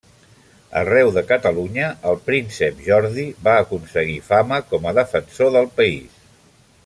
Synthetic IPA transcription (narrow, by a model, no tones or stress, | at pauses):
ə̰rɛwðəkət̪əluɲəəlˠpɾinsəpʒɔɾðiβaːkunsəɣifaməkɔməðəfənsoðəlˠpəis